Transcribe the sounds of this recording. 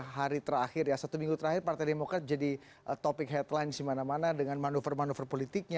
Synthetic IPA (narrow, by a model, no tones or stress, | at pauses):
ɦaɾit̪əɾaxɪrjasat̪umiŋɡut̪əɾahɪrpart̪ajdemokɾat̪̚d͡ʒadi | t̪opɪkɦɛt̪lajnsimanamanadəŋanmanufərmanufərpolit̪ɪk̚ɲa